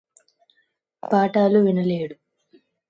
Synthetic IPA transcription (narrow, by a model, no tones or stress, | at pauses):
paːʈaːluʋinɐleːɽu